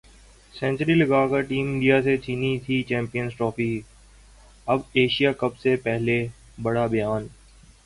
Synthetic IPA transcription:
sɛ̃nt͡ʃɾiːlɐɡaːkəɾʈiːmɪ̃ɳɖijaset͡ʃʰiːnit̪ʰit͡ʃɛ̃ːmpijənsʈɾɔːfi | ɐbeːʃijakɐbsepɛɦle | bɐɽabɐjaːn

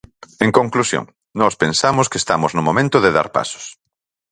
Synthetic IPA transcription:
eŋkoŋklusjo̰ŋ | nɔspẽnsamʊskest̪amʊznʊmomẽnt̪ʊðeða̰ɾpa̰sʊ̥s

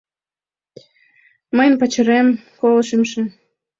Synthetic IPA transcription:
məjnpɑt͡ɕəɾemkolʃimʃĕn

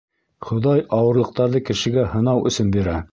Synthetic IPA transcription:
χŏðɑjɑwɤ̆ɾlˠɤ̆q̚t̪ɑɾðɤkɘ̆ʃɘ̆ɡæhɤ̆nɑwʔɵ̆sɵnbiɾæ

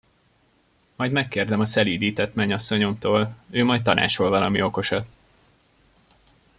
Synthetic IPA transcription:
mɒjd̪mɛkːeːrd̪ɛmɒsɛliːd̪iːt̪ɛt̪mɛɲɒsːo̞ɲo̞mt̪oːløːmɒjt̪t̪ːɒnʔa̰ːt͡ʃo̞lvɒlɒmio̞ko̞ʃɒt̪

